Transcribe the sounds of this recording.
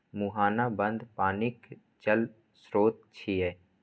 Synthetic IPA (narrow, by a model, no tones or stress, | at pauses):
muɦaːnabə̃nd̪paːnɪk | t͡ʃəl | sɾoːt̪̚t͡ʃʰiɛː